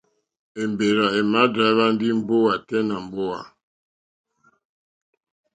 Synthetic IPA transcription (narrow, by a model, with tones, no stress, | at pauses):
e˨m˨be˨ɾa˨e˨ma˦dɾa˨˦βa˦n˦di˦m̩˦bo˦wa˨tɛ˦na˨m˨bo˦a̰˨